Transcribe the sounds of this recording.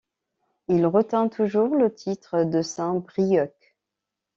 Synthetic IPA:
ilʁət̪ɛ̃t̪ʰuʒuʁlət̪ʰit̪χəd̪əsɛ̃bʁijɔk

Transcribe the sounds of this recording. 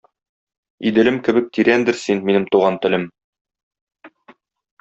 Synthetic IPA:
id̪ɘ̆lɘmkɘ̆bɘk̚t̪iɾænd̪ɘɾsinminɘmt̪uʁɑnt̪ɘ̆lɘm

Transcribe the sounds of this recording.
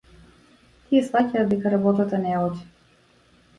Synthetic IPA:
t̪ʰiɛsvacaːd̪ɛkaɾabɔt̪at̪anɛɔdʲi

